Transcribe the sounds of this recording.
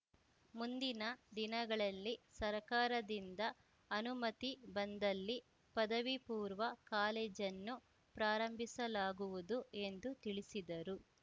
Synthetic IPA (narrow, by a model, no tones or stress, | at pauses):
mund̪inɐd̪inɐɡɐɭɐlːisɐɾkaːɾɐd̪ind̪ɐː | numɐt̪ibɐnd̪ɐlːi | pɐd̪ɐʋipuːɾʋɐkaːleːd͡ʒɐnːu | pɾaːɾɐmbʱisɐlaːɡuʋud̪ue̞nd̪ut̪iɭisid̪ɐɾu